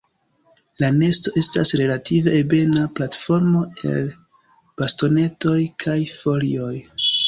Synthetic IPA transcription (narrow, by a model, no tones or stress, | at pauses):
lane̞sto̞e̞stasɾe̞lativebe̞naplatfo̞ɾmo̞e̞̰l | b̥asto̞ne̞to̞jkʰajfo̞lio̞j